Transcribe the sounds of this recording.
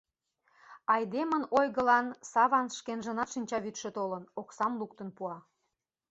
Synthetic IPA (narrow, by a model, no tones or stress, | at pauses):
ɑjd̪emənojɣəlɑnsɑβɑnʃkenʒə̆nɑt̪ʃinʲt͡ɕɑβyt̪ʃĕt̪olənoksɑmluk̚t̪ənpuɑ